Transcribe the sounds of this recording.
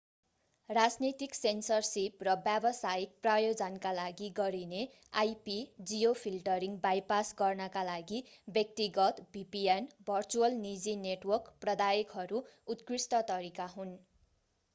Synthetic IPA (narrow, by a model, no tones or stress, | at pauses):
rad͡znit̪iksensʌrsiprʌbjabʌsajik̚prajod͡zʌnkalaɡiɡʌɾine | ajpid͡zijopʰilʈʌɾiŋɡbajpasɡʌrnʌkalaɡibjʌk̚t̪iɡʌt̪bipienbʱʌrt͡suʌlnid͡zineʈwʌrkprʌd̪ajikɦʌɾuut̪krisʈʌt̪ʌɾikaɦun